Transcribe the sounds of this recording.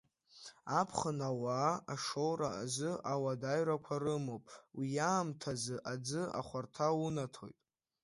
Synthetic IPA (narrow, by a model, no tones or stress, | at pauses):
apʰχənawaaʂo̞wɾaːzɨʔawadaɥɾakʷʰarɨmopʼwijaːmtʰazɨʔad͡zɨa̰χʷartʰaunatʰo̞̰jtʼ